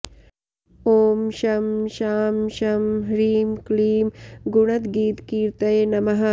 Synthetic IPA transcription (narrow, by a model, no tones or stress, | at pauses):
oːmʃɐmʃaːmʃɐmɦɾiːmkliːmɡuɽɐt̪ɡiːt̪kiːɾt̪ɐjnɐmɐɦɐ